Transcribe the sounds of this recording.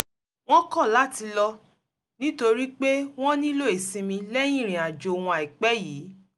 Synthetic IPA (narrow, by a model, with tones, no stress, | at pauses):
w̃ɔ̃˦kɔ̃˦˨la˨˦ti˧lɔ˧ | nĩ˦to˧ɾi˦k͡pe˦w̃ɔ̃˦nĩ˦lo˦e˨sĩ˧mĩ˧lɛ˦j̃ĩ˦˨ɾ̃ĩ˨a˨d͡ʒo˨wũ˧a˨i˨k͡pɛ˦jiː˨˦